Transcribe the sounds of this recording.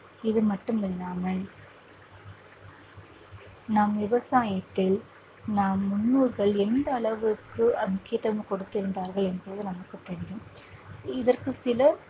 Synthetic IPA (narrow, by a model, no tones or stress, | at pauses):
ɪðɯmɐʈːɯmɛnaːmɐɭ | naːmʋɪʋɐsaːjɐt̪ːɪl | naːmːʊɳːɯɾɣɐɭɛnd̪ɐːɭɐʋɯkːɯɐmʊkɪjɐt̪ːɐmkɔɽɯt̪ːɪɾɯnd̪aːɾɣɐɭɛnbɐːðɯnɐmɐkːɯt̪ːɛɽɪjɯm | ɪðɐrkɯsɪlɐ